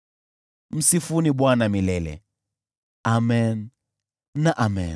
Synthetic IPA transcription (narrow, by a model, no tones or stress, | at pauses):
m̩sifuniɓwanamilɛlɛ̰ | amɛnː | aʔamɛ̰n